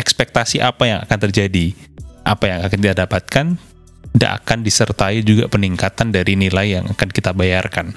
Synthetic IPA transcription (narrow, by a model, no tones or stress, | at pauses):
ɛkspɛk̚t̪asiʔapajaŋa̰kant̪ərd͡ʒadiʔapajaŋakanit̪adapat̪̚kan | ida̰ʔa̰kandisərt̪aid͡ʒuɡa̰pəniŋkat̪andaɾinilaijaŋʔa̰kankit̪abajarkan